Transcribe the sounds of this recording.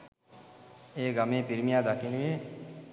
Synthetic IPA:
eːɡɐmẽːpiɾmijaːd̪akinɡe

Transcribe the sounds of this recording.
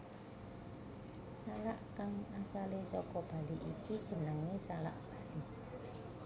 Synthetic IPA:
salaʔkaŋasalesɔkɔb̥a̤liʔikid̥ʒ̥ə̤nəŋesala̰ʔb̥a̤li

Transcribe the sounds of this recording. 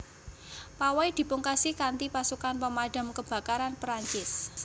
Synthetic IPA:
pawajd̪̥i̤puŋkasikant̪ipasukanpəmaɖ̥a̤mkəb̥a̤kaɾanpɾaɲt͡ʃɪs

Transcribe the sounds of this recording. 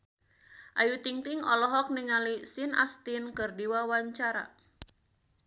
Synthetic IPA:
ʔajut̪iŋt̪iŋɔ̰lɔɦɔk̚niŋalisinʔa̰st̪inkɨrdiwawaɲt͡ʃaɾa̰

